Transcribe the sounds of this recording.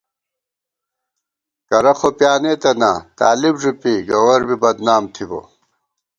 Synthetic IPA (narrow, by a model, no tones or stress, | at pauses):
kɐɾɐxopjaːneːt̪ɐnat̪a̰ːlibʐupiɡɐwɐɾbibɐd̪naːmt̪ʰibo̰